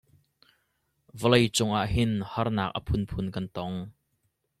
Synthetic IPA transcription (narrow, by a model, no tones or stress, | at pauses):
vəlejt͡sʊŋʔaʔhɪnhɐrnaːk̚ʔə̰pʰʊnpʰʊnkɐnt̪ɔŋ